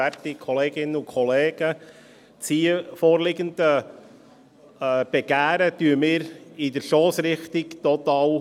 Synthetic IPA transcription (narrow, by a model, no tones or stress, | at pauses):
ætikʰɔleːɡɪnənʊkʰɔleːɡ̥ə | t͡sifoːɾlɪɡəndə | b̥eɡ̥æːɾətyːəmɪːɾɪdəɾʃoːsɾɪχt̪ɪkt̪ɔt̪ɑːl